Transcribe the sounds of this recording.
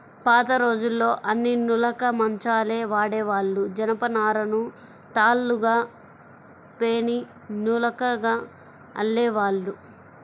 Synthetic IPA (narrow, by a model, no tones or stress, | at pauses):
paːt̪ɐɾo̞ːd͡ʒulːo̞ːʔɐnːinulɐkɐmɐɲt͡ʃaːleːʋaːɽɛːʋaːɭːud͡ʒɐnɐpɐnaːɾɐnu | t̪aːlːuɡaː | peːni | nuːlɐkɐɡaː | ɐ̰lːeːʋaːɭːu